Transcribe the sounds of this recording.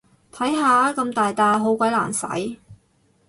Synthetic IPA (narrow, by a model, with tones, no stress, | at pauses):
t̪ʰɐ˨˥jɦaː˨˧kɐ˧mt̪aː˨jt̪aː˧ɦo˨˥wkʷɐ˨˥jla̰ː˨˩nsɐ̰˨˥j